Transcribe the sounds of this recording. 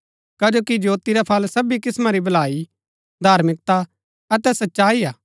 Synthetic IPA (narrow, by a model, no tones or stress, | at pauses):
kɐd͡ʒoːkid͡ʒoːt̪iɾɛpʰɐlsɐbikɪsmãɾibɐlaːi | d̪ʱaːɾmɪk̚t̪a | ɐt̪ɛsɐtːʃaːiaː